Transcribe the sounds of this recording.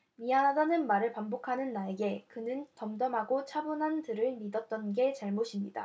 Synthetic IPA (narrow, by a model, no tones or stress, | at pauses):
miɦanɦadanɯnmaɾɯɭpambokʰanɯnːae̞ɡe̞kɯnɯntʌmdʌmɦaɡot͡ɕʰabunɦantɯɾɯɭmidʌt̚t͈ʌnɡe̞t͡ɕaɭmoɕʰimɲida̰